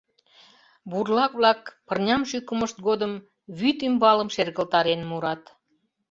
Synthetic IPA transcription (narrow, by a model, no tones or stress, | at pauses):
burlɑkβlɑkpərnʲɑmʃykəməʃt̪̚ɡod̪əm | βyt̪ymbɑləmʃerɣəlt̪ɑɾenmuɾɑt̪